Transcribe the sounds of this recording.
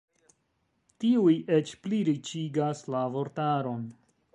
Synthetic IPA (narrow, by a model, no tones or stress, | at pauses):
tiujʔet͡ʃpliɾit͡ʃiɡaslavo̞ɾtaɾo̞n